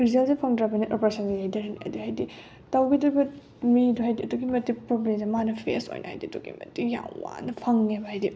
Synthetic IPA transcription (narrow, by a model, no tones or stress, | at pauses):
ɾizalsepʰɐŋdɾabɐniʔɔpɐsanzijajdɐɾnḭɐ̰diɦajdi | tawɡidɐbɐ | miduɦajdiɐduɡimɐtːipɾoblemzemanɐpʰḛso̰jnʔɐ̰ha̰jdiduɡḭmɐ̰tija̰ŋwa̰nɐpʰɐŋːebɐɦajdi